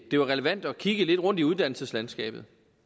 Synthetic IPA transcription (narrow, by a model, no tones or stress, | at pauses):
d̥e̝ʋɑ̈ʁɛləʋæn̰d̥ɒ̽kʰiɡ̥əle̝d̥ʁɔ̽n̰d̥iuð̞ˠd̥æn̰l̩səslænl̩sɡ̥ɛ̰ːb̥ð̞̩ˠ